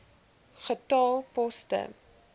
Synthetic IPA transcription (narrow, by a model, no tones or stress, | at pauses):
χətɑːlˠpɔstə̰